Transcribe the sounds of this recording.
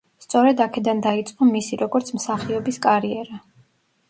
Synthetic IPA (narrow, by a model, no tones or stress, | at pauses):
st̪sʼɔɾɛd̪akʰɛd̪and̪ait̪sʼqʼɔmisiɾɔɡɔɾt̪sʰmsaχiɔbiskʼaɾiɛɾa